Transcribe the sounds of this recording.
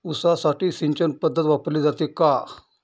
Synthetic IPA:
usasaʈiːsiɲt͡ɕənpəd̪ʱːət̪ʋapəɾliːd͡zat̪eka

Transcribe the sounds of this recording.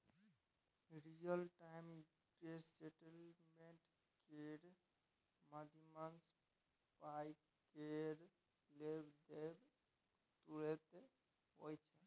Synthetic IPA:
miɾijəlʈajm | ɡɖesseʈəlmeɳʈ | keɾ | məd̪ʱiməns | paj | keɾ | lebd̪eb | t̪uɾet̪e | ɦojt͡ʃʰɛ

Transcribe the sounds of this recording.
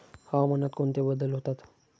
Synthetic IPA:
hamənat̪koɳt̪ebəd̪əlɦot̪at̪

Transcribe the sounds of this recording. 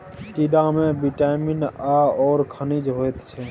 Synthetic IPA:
ʈiɖãmẽbiʈaːmɪnaːɔːɾkʰənid͡ʒɦoːet̪t͡ʃʰɛː

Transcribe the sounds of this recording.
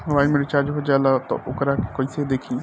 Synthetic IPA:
ʋaːimẽɖɪt͡ʃaːɾd͡ʒɦod͡ʒalat̪ɔ̰ʔʊkɾake̥koised̪eːkʰĩː

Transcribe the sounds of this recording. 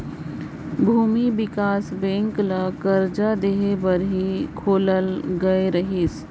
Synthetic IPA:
bʱuːmibɪkaːsbɛ̃ːŋklakɐɾd͡ʒad̪eːɦebɐɾɦikʰoːləlɡɐeɾɐɦis

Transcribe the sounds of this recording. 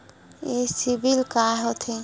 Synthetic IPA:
esibilkaɦɔt̪ʰe

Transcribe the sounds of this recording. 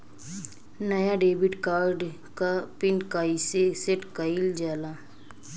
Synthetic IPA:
nɐjaɖeːbɪʈkaːɾɖ | kapɪnɖkaːiseseʈkəɪld͡ʒaːla

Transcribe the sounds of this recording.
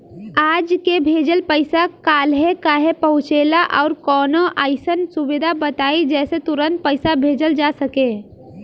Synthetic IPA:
aːd͡ʒkebʱeːd͡ʒəlpəɪsakaːlɦekaːɦepəɦʊ̃t͡ʃeːlaʔɔʊɾkɔːnoʔaːɪsənsubɪd̪ʱabət̪aːid͡ʒɛːset̪ʊɾənt̪̚pəɪsabʱed͡ʒəld͡ʒasəke

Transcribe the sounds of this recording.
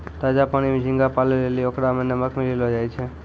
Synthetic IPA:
t̪ad͡ʒapañimid͡ʒʱĩŋɡapaleleliokɽamənːeməkʰmililɔd͡ʒajt͡ʃʰe

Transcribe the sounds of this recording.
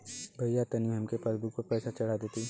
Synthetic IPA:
bʱɐjat̪ɐniɦɐmkepɐɾbuk̚pɐpɛːsat͡ʃɐɽ̤ad̪eːt̪iː

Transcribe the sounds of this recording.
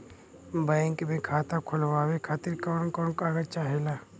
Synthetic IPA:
baŋkbẽkʰaːt̪akʰʊlʋaːwekʰaːt̪iɾkɔːnkɔːnkaːɡət͡ʃaːɦelaː

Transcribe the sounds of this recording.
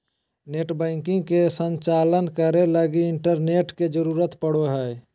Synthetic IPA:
neːʈbɛ̃ːŋkɪ̃ŋɡkesə̃nt͡ʃaːlənkəɾeləɡiɪɳʈəɾneːʈked͡ʒəɾuːɾət̪pəɽ̤oɦɛː

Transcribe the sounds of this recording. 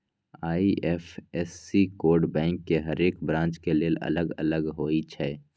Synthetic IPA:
aːiʔɛːfɛːsːikoːɾɖbɛ̃ːŋkːeɦɐɾeːkbɾãːt͡ʃkeleːlɐ̰ləɡɐ̰ləɡɦoːit͡ʃʰɛː

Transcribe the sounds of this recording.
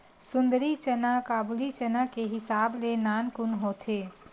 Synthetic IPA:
sʊ̃nd̪əɾit͡ʃənakaːbʊlit͡ʃənakeɦɪsaːblenaːnkʊnɦoːt̪ʰeː

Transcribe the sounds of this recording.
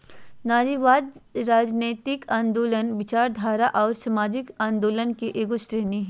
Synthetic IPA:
naːd͡ʒiʋaːd̪ɾaːd͡ʒneːt̪ɪkãːnd̪oːlənʋɪt͡ʃaːɾd̪ʱaːɾaʔɔːɾsɐmaːd͡ʒɪkãːnd̪oːlənkeʔeːkosɾeːniɦɛ

